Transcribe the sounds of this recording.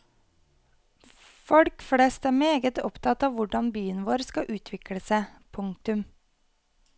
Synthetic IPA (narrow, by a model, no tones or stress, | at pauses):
fɔɽkfɽest̪æːmeːɡət̪ɔpt̪ʰɑt̪ɑːʋʋʊɖɑnbyːənʋoːɾskɑʔʉːt̪ʰʋɪkɽəsæpʰʊŋ̚t̪ʉm